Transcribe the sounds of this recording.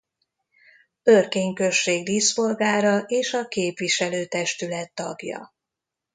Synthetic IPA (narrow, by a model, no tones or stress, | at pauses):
ø̞rkeːɲkø̞ʃːeːɡd̪iːsfo̞lɡaːɾɒʔeːʃɒkeːpʋiʃɛløːt̪ɛʃt̪ylɛt̪ːɒ̰ɡjɒ̰